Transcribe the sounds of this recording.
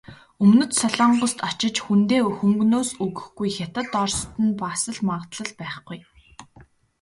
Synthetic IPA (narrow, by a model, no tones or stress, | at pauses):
ɵmnɵ̆t̪sɔɮɔːɴɢɞ̆st̪ɔt͡ɕɪ̆t͡ɕxunt̪eːɵxɵ̆ŋɡnoːsɵɣɵ̆xɡujxʲat̪ə̆t̪ɔrst̪ɘ̆npaːsə̆ɮmaʁt̪ɮə̆ɮpæːχɡuj